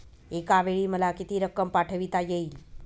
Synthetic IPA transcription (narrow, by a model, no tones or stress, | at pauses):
ekaʋeɭiməlakit̪iɾəkːəmpaʈʰəʋit̪ajeil